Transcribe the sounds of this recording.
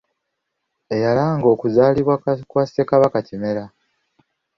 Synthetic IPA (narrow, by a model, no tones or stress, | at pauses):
e̞jalaːŋɡo̞ːkuzaːliβwakwasiekaβakacime̞ɾa